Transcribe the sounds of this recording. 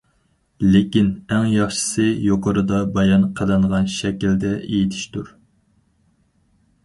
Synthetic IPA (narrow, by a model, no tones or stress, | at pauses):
lɪkʲinæŋjɑχʃɨ̥sɨjoqʰəɾɨd̪ɑbɑjɑnqʰəlɨɴʁɑnʃɛkʲild̪ɛʔejit̪ʰɪ̥ʃt̪uɾ